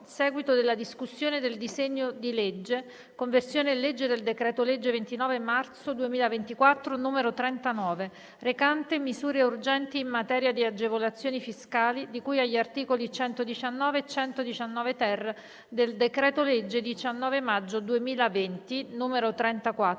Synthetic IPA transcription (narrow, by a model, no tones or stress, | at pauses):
sɛːɡwit̪od̪elːad̪iskusːjoːned̪eld̪izeɲːod̪iled͡ʒːe | koɱversjoːnelːed͡ʒːed̪eld̪ekɾɛːt̪oled͡ʒːevent̪inɔːvemart̪sod̪uemiːlavent̪ikwat̪ːɾonuːmeɾot̪ɾɛnt̪anɔːve | rekant̪emizuːɾeurd͡ʒɛnt̪iːmːat̪ɛːɾjad̪iad͡ʒevolat̪sːjoːnifiskaːlid̪ikuːjaʎːiart̪iːkolit͡ʃɛnt̪od̪it͡ʃanːɔːvet͡ʃɛnt̪od̪it͡ʃanːɔːvet̪ɛrːe | d̪eld̪ekɾɛːt̪oled͡ʒːed̪it͡ʃanːɔːvemad͡ʒːod̪uemiːlavent̪inuːmeɾot̪ɾɛnt̪akwa